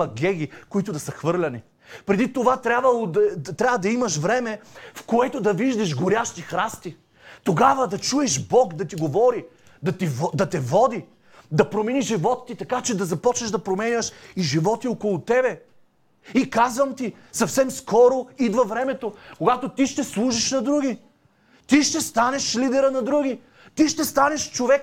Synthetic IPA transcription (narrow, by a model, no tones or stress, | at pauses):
ɐɡʲɛɡʲikoit̪ʊd̪ɐsəxvɤɾlʲɐni | pɾɛd̪it̪ovat̪ɾʲabvɐlˠot̪ɾʲabvɐd̪ɐimɐʃvɾɛmɛfkoɛt̪od̪ɐviʒd̪ɐʃɡoɾʲjaʃt̪ixɾast̪i | t̪oɡavəd̪ɐt͡ʃuɛʃbɔkd̪ɐt̪iɡovɔɾi | d̪ɐt̪ivd̪ɐt̪ɛvɔd̪i | d̪ɐpɾomɛniʒivɔt̪ːit̪ɐkat͡ʃɛd̪ɐzɐpɔt͡ʃnɐʒd̪ɐpɾomɛnʲəʃiʒivɔt̪iokolˠʊt̪ɛbɛ | ikazvɐmt̪i | sɐfsɛmskɔɾoid̪vɐvɾɛmɛt̪okoɡat̪ot̪iʃt̪ɛslˠuʒiʃnɐd̪ɾuɡʲi | t̪iʃt̪ɛst̪anɛʃlid̪ɛɾənɐd̪ɾuɡʲi | t̪iʃt̪ɛst̪anɛʃt͡ʃovɛk